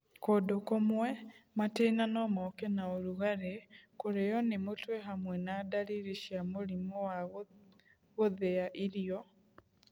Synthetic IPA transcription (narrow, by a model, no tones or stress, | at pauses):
kodokomwɛmatenanɔmɔkɛnaoɾuɣaɾekoɾejɔnemotwɛɦamwɛnadaɾiɾiʃiamoɾimɔwaɣ | ɣoðeaʔiɾiɔ